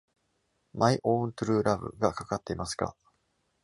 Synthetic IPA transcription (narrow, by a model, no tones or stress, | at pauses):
maiʔõːnt̪ɯ̟ɾɯ̟ːɾʔabɯ̟̰ɡakakat̪ːe̞imasɨ̥ka̰